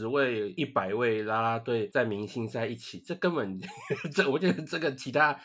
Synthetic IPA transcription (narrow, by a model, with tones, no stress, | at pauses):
we˥˧ɪi˥˩pa˨˩ɪwe˥˩ɪla˥la˦t̪we˥˧ɪt͡sa˥˩ɪmi˨˧˥ŋɕi˥ŋsa˥˧i˥˩t͡ɕʰi˨˩˦ʈ͡ʂɤ˥˧kə˦npə˨˩nʈ͡ʂə˥˩wɔ˨˦t͡ɕɥɛ˧˦d̪ə˧˩ʈ͡ʂɤ˥˩ɡə˨t͡ɕʰi˧˥t̪ʰa˥